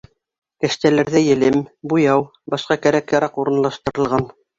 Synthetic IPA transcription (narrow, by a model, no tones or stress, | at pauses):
kɘ̆ʃt̪ælæɾðæjɘ̆lɘmbujɑw | bɑʃqɑkæɾækjɑɾɑquɾɤ̆nlˠɑʃt̪ɤ̆ɾɤ̆lˠʁɑn